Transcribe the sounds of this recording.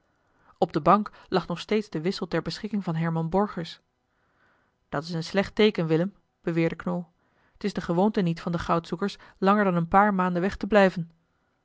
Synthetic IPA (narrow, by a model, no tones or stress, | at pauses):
ɔb̚dəbɑŋklɑχnɔχstejtzdəʋɪsəlˠtɛɹbəsχɪkɪŋvɑnɦɛɹmɑnbɔɹχəɹs | d̥ɑtɪsənslɛχtejkənʋɪləm | b̥əʋɪːɹdəknoː | ətɪzdəχəʋowntənitfɑndəχɑwtsukəɹslɑŋəɹdɑnənpaːɹmaːndəʋɛχtəblɛjvən